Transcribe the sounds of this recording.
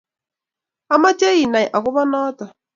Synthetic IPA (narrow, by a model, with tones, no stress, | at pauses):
a˦ma˦t͡ʃe˦i˨na˨jʔa˨kʊ˦βɔ˦nɔ˦tɔ˨